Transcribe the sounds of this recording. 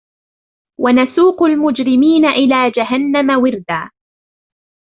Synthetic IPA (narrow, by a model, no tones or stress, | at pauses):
wanasuːqʊlmʊd͡ʒɾɪmiːnaʔɪlaːd͡ʒaɦanːamawɪɾd̪aː